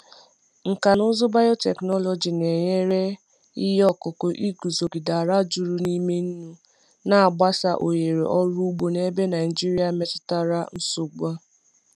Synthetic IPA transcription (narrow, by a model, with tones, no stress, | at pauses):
ŋ̩˨ka˨nʊ˦zʊ˦ba˦jo˦te˨knɔ˦lɔ˨d͡ʒi˨ne˨ɲe˦ɾe˦ | i˦jɔ˦˨kʊ˨kʊ˨ʔi˦ɡu˨zo˨ɡi˨da˨ɾa˦d͡ʒu˨ɾu˦ni˦me˦n̩˦nu˦ | na˨a˨ɡ͡ba˦sa˦ʔo˨je˨ɾḛ˨ʔɔ˦ɾu˦u˦ɡ͡bo˨ne˦be˦na˨i˨d͡ʒi˦ɾi˦a˨me˦tʊ̥˦ta˦ɾa˦n̩˦sʊ˨ɡ͡ba˦